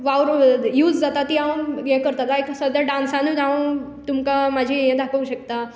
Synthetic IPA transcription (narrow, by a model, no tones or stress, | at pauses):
ʋawɾjuːd͡zd͡zat̪at̪iãw̃jɛ̃kəɾt̪at̪aiksəd̪jaɖãnsãnud̪aw̃ | t̪umkamad͡ʑʱiɦɛ̃d̪ʱapəʋɕək̚t̪a